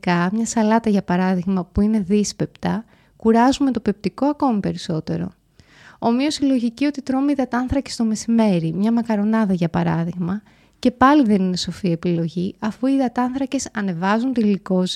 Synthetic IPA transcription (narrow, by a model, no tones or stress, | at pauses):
kɐmɲɐsɐlɐt̪ɐʝɐpɐɾɐðiɣmɐpuine̞ðispe̞pt̪ɐ | kuɾɐzumet̪o̞pe̞p̚t̪ikoɐko̞mipe̞ɾiso̞t̪e̞ɾo̞̰ | omio̞silo̞ʝicio̞t̪it̪ɾomiðɐt̪ɐnθɾɐce̞st̪o̞me̞sime̞ɾimɲɐmɐkɐɾo̞nɐðɐʝɐpɐɾɐðiɣmɐ | ce̞pɐliðe̞nine̞so̞fie̞pilo̞ʝiɐfuiðɐt̪ɐnθɾɐce̞sɐne̞vɐzunt̪iliko̞s